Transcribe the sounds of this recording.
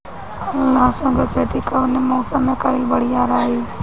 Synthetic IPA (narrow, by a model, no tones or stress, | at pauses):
əlãːsõːɡəkʰeːt̪iːkaneːmoːsəmẽːkaɪlbəɽiːaːɾaːɦiː